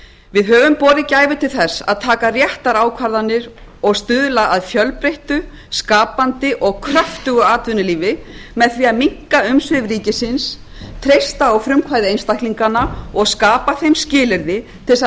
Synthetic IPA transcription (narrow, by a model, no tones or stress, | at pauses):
vɪðɦœːvʏmpɔːðɪcaːjvʏt̪ʰɪlθɛsːa̰ðt̪ʰaːkarjɛht̪aɾaːwkʰvaɾðanːɪɾɔɣst̪ʏðlaʔaðfjœlpɾeht̪ʏ | skaːpant̪ɪʔɔɣkʰɾaft̪ʏɣʏaːt̪vʏnːʏliːvɪmɛðθɾiaðmiŋ̥kaʏmsvɪvriːcɪsɪns | t̪ʰɾejst̪aɔɣfɾʏmkʰvaːjðɪejnst̪ajhk̪liŋkanːaɔɣskaːpaθejmscɪːlɪɾðɪt̪ʰɪls